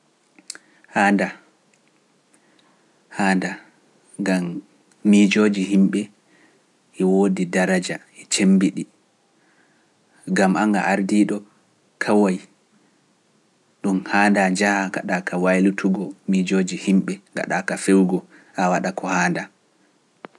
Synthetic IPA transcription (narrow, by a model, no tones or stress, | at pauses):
haːnda | haːnda | ɡamː | id͡ʒoːd͡ʒiɦimɓɛ | ʔɛwoːdidaɾad͡ʒa | ɛt͡ʃembiɗi | ɡamaŋɡaʔaɾdiɗɔ | kʰawaj | ɗumhaːndad͡ʒahaɡa̰ɗakʰawajlutʰuɡɔmid͡ʒoːd͡ʒihimɓɛɡa̰ɗakafewɡɔ | ʔawaɗakɔhaːnda